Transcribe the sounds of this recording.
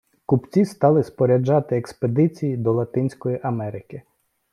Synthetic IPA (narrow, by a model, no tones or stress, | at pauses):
kʊpt͡sʲist̪ɑlˠɪspɔɾʲɐd͡ʒɑt̪ɪeksped̪ɪt͡sʲijid̪ɔlˠɐt̪ɪnʲsʲkɔjiʔɐmɛɾɪkɪ